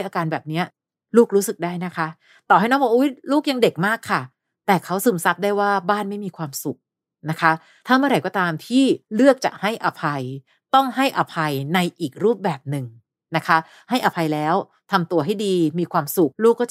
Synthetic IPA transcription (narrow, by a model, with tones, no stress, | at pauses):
jʔaː˧kaː˧nbɛː˨˩p̚ni˦˥ɐ | luː˥˩k̚ɾuː˦˥sɯ˨˩k̚daː˥˩jna˦˥kʰa˦˥ | t̪ɔː˨˩ɦa˥˩jnɔː˦˥ŋbɔː˨˩ʔu˦˥˩luː˥˩k̚ja˧ŋde˨˩k̚maː˥˩kʰːa˥˩ | t̪ɛː˨˩kʰa˦˥wsɯ˧˩˦msa˦˥p̚daː˥˩jwaː˥˩baː˥˩nma˥˩jmiː˧kʰwaː˧msu˨˩k̚ | na˦˥kʰa˦˥ | t̪ʰaː˥˩mɯ˥˩ɐɾa˧˩jkɔː˥˩t̪aː˧mt̪ʰiː˥˩lɯ˥˩ək̚t͡ɕa̰˨˩k̚ha˥˩jʔa˧pʰa˧j | t̪ɔ˥˩ŋɦa˥˩jʔa˧pʰa˧jna˧jʔiː˨˩k̚ɾuː˥˩p̚bɛː˨˩p̚nɯ˨˩ŋ | na˦˥kʰa˦˥ | ha˥˩jʔa˧pʰa˧jlɛː˦˥w | t̪ʰa˧mt̪u˧ɐɦa˥˩jdiː˧miː˧kʰwaː˧msu˨˩k̚luː˥˩kːɔː˥˩